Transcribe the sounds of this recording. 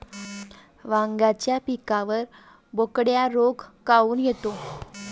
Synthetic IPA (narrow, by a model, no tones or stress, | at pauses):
ʋãŋɡat͡ɕjapikaʋəɾ | bokɽjaɾoɡkauːnjet̪o